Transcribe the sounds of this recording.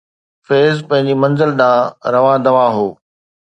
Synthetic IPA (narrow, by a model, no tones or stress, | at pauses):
feːzpɐ̃ɦɪ̃ɲ̆d͡ʑimɐ̃nzəlɗãːɾɐʋãːd̪ɐʋaːɦoː